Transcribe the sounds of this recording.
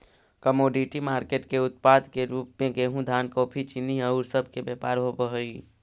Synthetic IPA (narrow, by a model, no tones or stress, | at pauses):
kəmoːɖiʈimaːɾkeːʈkeʊt̪̚paːd̪keɾuːpẽkeɦũd̪ʱaːnkoːpʰit͡ʃinːiəʊɾsəb̚ʱkebeːpaːɾɦopəɦəi